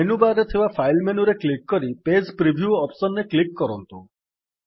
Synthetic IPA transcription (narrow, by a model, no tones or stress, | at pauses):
enubaɾet̪ʰeʋafʰajlmenuɾeklikːɔɾiped͡ʒpɾibʱjuɔpsɔnːeklikːɔɾɔnt̪u